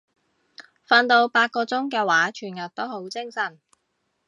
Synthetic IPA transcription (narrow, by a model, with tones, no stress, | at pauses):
fa˧nt̪o˧wpaː˧t̚kɔː˧t͡sʊ˥ŋkɛː˧waː˨˥t͡ʃʰyː˨˩njɐ˨˩t̚t̪o˥who˨˥wt͡sɪ˥ŋsɐ˨˩n